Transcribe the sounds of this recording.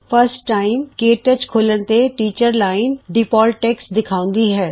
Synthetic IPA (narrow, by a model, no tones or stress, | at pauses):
fʰəɾsʈʈaːɪmkeːʈət͡ʃkʰoːləɽ̃t̪eʈiːt͡ʃəɾlaːɪnɖɪpɔːlʈeːksd̪ɪkʰaːʊ̃n̆d̪iɦɛː